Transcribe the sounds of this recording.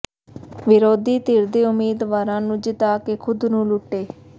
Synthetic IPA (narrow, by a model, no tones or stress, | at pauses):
ʋɪɾoːd̪iːt̪iɾd̪eːʊmeːd̪ʋaːɾãːnũːd͡ʒɪt̪aːkeːkʰʊd̪nũːlʊʈːeː